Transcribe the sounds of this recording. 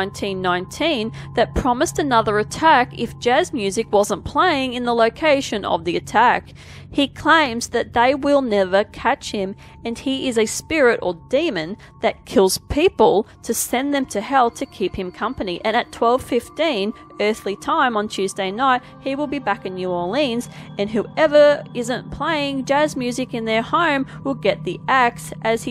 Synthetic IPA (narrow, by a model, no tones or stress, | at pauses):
ɪ̃ntʰĩnːãɪ̃ntʰĩnðɨt̚pʰɹ̥ɑmɨstɨnʌðə˞ɨtʰækɨ̰fd̥ʒ̥æzmjʉzɨkwʌzə̃npʰl̥eɪɪ̃ŋɨ̃nðəloʊkʰeɪʃɨ̃nʌ̰vðiɨtʰæk | hikʰl̥ẽɪ̃mzðɨt̪̚ðeɪwɪlˠnɛvə˞kʰæt͡ʃhɪ̃m | ɨ̃niɪzɨspɪɹɪɾə̰˞dĩmɨ̃n | ðɨt̚kʰɪlˠz̥pʰipəl̩ˠtʰɨsɛ̃nðɨ̃mtʰɨhɛlˠtʰɨkʰiphɨ̃mkʰʌ̃mpɨniʔɨ̃ñɨtʰw̥ɛlˠv̥fɪftĩn | ɜ˞θlitʰãɪ̃mə̃ntʰʉzdeɪnaɪt̚hiwəlˠbibækɨ̃njʉɔlĩnz̥ɨ̃nɦʉɛvə˞ɪzɨ̃npʰl̥eɪɪ̃ŋd͡ʒæzmjʉzɨkɨ̃nðə˞hõʊ̃mwɪlˠɡɛt̪̚ðiæk̚sʔɨz̥